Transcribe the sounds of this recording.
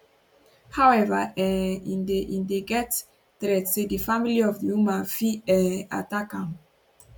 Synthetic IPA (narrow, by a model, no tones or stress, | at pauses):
hawɛvaʔɛĩndeʔĩndeɡɛt | tɾɛtsedifamiliɔvdiumafiɛa̰takãŋ